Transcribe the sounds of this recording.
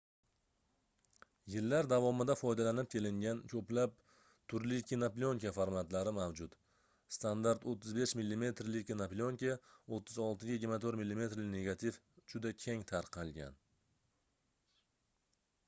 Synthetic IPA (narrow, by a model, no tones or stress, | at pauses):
jɪlːaɾd̪avɒmɪd̪afɒjd̪alanɪp̚kʲʰe̞lɪŋɡʲankʲʰɵplap̚ | t̪ʰʊɾlɪkʲʰinaplʲioŋkʲafaɾmat̪laɾɪmawd͡ʒʊt̪ | st̪and̪aɾt̪ot̪ʰːɪzbe̞ʃmilːime̞t̪ɾlɪkʲʰinaplʲioŋkʲaot̪ʰːɪzɒlˠt̪ʰɪɡʲajɪɡʲɪɾmat̪ʰoɾmilːime̞t̪ɾlɪne̞ɡat̪ʰif | d͡ʒʊd̪akʲʰe̞ŋt̪ʰaɾqʰɑlˠɡʲa̰n